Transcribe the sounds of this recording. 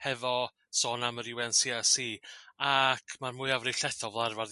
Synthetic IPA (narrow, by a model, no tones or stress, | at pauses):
hɛvɔ | sɔːnaməɾɪwɛnsiːasiːakʰmarmʊːɨavrɪɬɛθɔvlˠarvarð